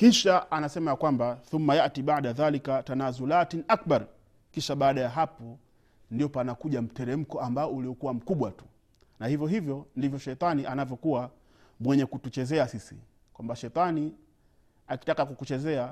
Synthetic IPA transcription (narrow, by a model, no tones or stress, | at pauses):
kiʃaʔanasɛmajakwambaθumːajaʔtiɓaʕɗaðalikatanazulatinʔak̚ɓaɾ | kiʃaɓaːɗajaɦapɔ | ndiɔpanakuʄam̩tɛɾɛm̩kɔambaɔuliɔkuwam̩kuɓwatu̥ | nahivjɔɦivjɔndivjɔʃɛjt̪ˤaniʔanavjɔkuwa | mwɛɲɛkutut͡ʃɛzɛasisḭ | kwambaʃɛjt̪ˤani | aki̥takakukut͡ʃɛzɛa